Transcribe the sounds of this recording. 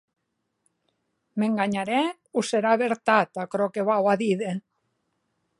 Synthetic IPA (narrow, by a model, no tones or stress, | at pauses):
meŋɡaɲaɾɛ | useɾaβeɾt̪at̪akɾokeβawaðiðe